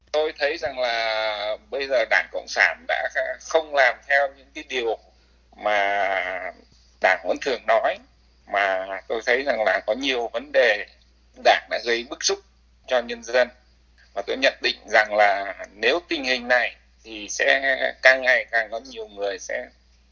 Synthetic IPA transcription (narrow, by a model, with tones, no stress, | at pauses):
t̪o˧jt̪ʰə˨˦jza˨˩ŋlaː˨˩ɓə˧jzəː˨˩ɗaː˧˩ŋkə̰˧˨wŋ͡msaː˧˩nɗa̰ː˧˥˧xə˧wŋ͡mlaː˨˩mt̪ʰɛ˧wɲɨ̰˧˥ŋkaː˨˦jɗi˨˩əw | maː˨˩ | ɗaː˧˩ŋvə̰˧˥nt̪ʰɨ˨˩əŋnɔ˨˦j | maː˨˩t̪o˧jt̪ʰə˨˦jza˨˩ŋlaː˨˩kɔ˨˦ɲi˨˩əwvə˨˦nɗe˨˩ | ɗaː˧˩ŋɗa̰ː˧˥ɣə˧jɓɨ˦˥k̚sʊ˦˥k͡p̚ | t͡ɕɔ˧ɲə˧nzə˧n | vaː˨˩t̪o˧jɲə̰˧˨nɗḭ̈˧˨ŋ̟za˨˩ŋlaː˨˩ne˨˦wt̪ï˧ŋ̟hï˨˩ŋ̟na˨˩j | t̪ʰi˨˩sɛ̰˧˥kaː˧˩ŋʔa˧jkaː˨˩ŋkɔ˨˦ɲi˨˩əwŋɨ˨˩əjsɛ̰˧˥